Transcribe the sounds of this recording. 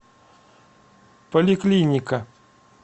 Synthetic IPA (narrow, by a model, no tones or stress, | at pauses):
pɐlʲɪklʲinʲɪkɐ